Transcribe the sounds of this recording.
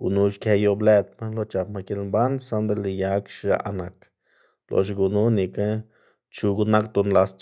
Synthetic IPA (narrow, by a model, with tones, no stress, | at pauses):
ɡ̥ṵ˨nu˧ʃke˧jo˧ble˧t̪̚ma˦lo˧˦t͡ʃa˨pma˧ki˧˦lmba˦nsa˦nd̪e˦li˧ja˧˦kʃʒa̰˧˨ʔna˨k | lo̰˧ʃ̬ɡu˨nu˦ni˨ka˦ | t͡ʃu˧ɡu˧na˦kt̪o˧nla˧st͡ʃ